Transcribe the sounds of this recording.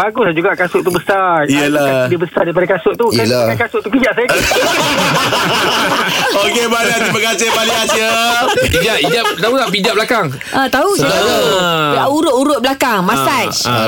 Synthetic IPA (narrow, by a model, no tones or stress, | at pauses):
baɡʊsd͡ʒuɡaʔkasʊʔt̪ubəsarijəladibəsaɾdaipadakasʊʔ̚t̪uijəlaakasʊʔt̪ukid͡ʒaʔsajaka | okebanat̪iməkasepaliasəid͡ʒaʔid͡ʒaʔt̪aut̪aʔpid͡ʒaʔblakaŋ | at̪aɦusajlauaʔuɾʊʔuɾʊt̪̚bəlakaŋmãsat͡ʃ